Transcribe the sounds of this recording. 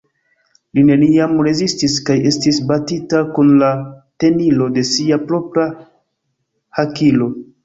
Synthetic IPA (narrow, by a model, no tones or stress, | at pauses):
line̞niamɾe̞zistiskaje̞stisbatitakunlate̞nilo̞de̞siapɾo̞pɾa | hakilo̞